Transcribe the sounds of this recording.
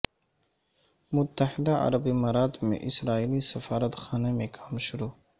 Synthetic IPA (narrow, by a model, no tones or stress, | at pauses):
mʊt̪ːəɦɪd̪aɐ̰ɾəbimaːɾaːd̪mḛ̃ʔɪsɾaːiːlisɐfaːɾət̪xaːnemẽkʰaːmʃʊɾoː